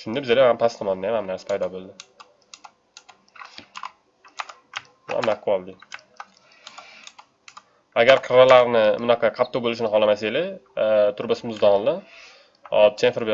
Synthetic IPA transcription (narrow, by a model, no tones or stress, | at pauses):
ʃʊnd̪abɪzelahamt̪ʰast̪ʰmɒnd̪ajamhamnaɾsḁpʰajd̪ɒbolˠd̪ɪ | bʊ̰a̰mnaqʰːɨwɒlˠd̪ɪ | aɡʲaɾkʰɾalaɾnɪmʊnɑqʰɑqʰɑt̪ʰːɒbolɪʃ̬ɪnɪɦɒlˠamaselɪt̪ʰʊɾbasɪmʊzd̪ɒlˠɪ | ɒ̰t͡ʃʰenfeɾbe